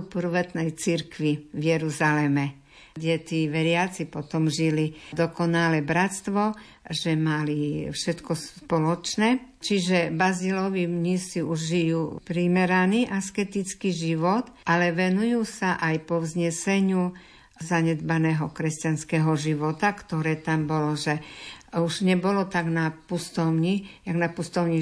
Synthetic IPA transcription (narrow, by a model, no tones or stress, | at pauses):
pr̩ʋɛt̪nɛjt͡siɾkʋiʋjɛɾuzalɛmɛ | ɟɛt̪iːʋɛɾɪat͡sipɔt̪ɔmʒilid̪ɔkɔnalɛbɾatst̪ʋɔ | ʒɛmalifʃɛt̪kɔspɔlɔt͡ʃnɛ | t͡ʃiʒɛbazilɔʋimɲisiuʒʒijuːpɾimɛɾaniːʔaskɛt̪it͡skiʒiʋɔt̪alɛʋɛnujuːsaʔajpɔʋzɲɛsɛɲu | zaɲɛd̪banɛːɦɔkɾɛscanskɛɦɔʒiʋɔt̪akt̪ɔɾɛːt̪ambɔlɔʒɛuʒɲɛbɔlɔt̪aɡnapust̪ɔʊɲijaɡnapust̪ɔʊɲi